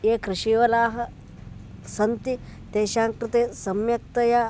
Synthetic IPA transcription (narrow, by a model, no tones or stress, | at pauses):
jeːkɾɪʃiːʋɐlaːɦɐ̆ | sɐnt̪it̪eːʃaːŋkɾɪt̪eːsɐmjɐk̚t̪ɐjaː